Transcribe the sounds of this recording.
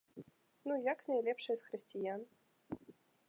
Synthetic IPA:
nujaknajlʲɛpʂɨjsxɾɨsʲtʲijan

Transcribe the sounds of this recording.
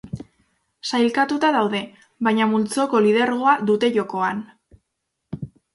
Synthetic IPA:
sajlkat̪ut̪aðawðe̞ | βajɲamult͡so̞ko̞lið̞eɾɣo̞aðut̪e̞ʝo̞ko̞an

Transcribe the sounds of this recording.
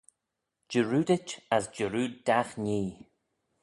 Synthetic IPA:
d͡ʒəɹuːdɪt͡ʃasd͡ʒəɹuːddaxɲiː

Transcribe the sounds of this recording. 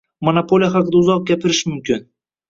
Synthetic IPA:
monapʰolʲijaχɑqɨd̪aʊzɒq̚ɡʲapʰɪɾɪʃmʊmkʲʰɪn

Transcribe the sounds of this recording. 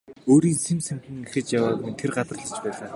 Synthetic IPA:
oːɾiːnsimsæŋxʲɘ̆ŋexɘ̆t͡ɕjawaːknt̪ʰerɢat̪ə̆rɮə̆t͡ɕpæːɮaː

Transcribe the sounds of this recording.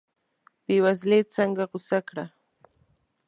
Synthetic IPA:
pɪwas̬let͡saŋɡaɢʊsakɾa

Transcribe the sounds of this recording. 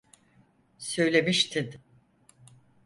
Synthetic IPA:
sø̞jlʲe̞miʃt̪ʰin

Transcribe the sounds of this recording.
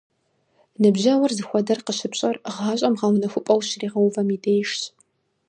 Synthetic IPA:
nɨbʑɐwɐrzɨxʷɔdɐrqəʃɪpɕʼɐrʁaːɕʼɐmʁɐmɨnɐxʷʊpʼɐwɕriːʁɐwvɐmiːdejʃɕ

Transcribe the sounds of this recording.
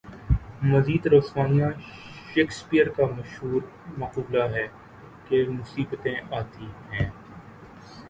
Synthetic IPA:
mɐziːd̪ɾoːsmaːnijãʃeːkspijəɾkamɐʃɦuːɾ | mɐquːblaɦɛː | kemʊsiːbət̪ẽʔaːt̪ihɛ̃ː

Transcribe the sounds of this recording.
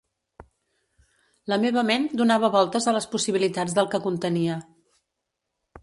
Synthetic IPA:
ləmeβ̞əmend̪unaβəβɔlˠt̪əzələspusiβilit̪ad͡zd̪əlˠkəkunt̪əniə

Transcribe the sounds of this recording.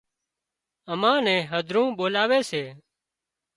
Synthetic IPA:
əmãːnɛ̃ːɦəd̪ʱɾũːɓoːlaːʋeːseː

